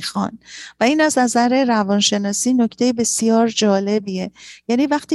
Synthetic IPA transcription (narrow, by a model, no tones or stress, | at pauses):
xɒ̰nvæiːnæznæzæɾeɾævɒnʃe̞nɒːsiːno̞cʰt̪ʰe̞jebe̞sijɒːɾd͡ʒɒːle̞biejæːniːvæxt̪iː